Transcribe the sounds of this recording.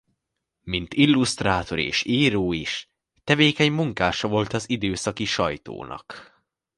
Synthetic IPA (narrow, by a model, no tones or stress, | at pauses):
mint̪ilːust̪raːt̪o̞ɾḛːʃiːɾoːiʃ | t̪ɛveːkɛɲmuŋkaːʃɒvo̞lt̪ɒzid̪øːsɒkiʃɒjt̪o̰ːnʔɒ̰k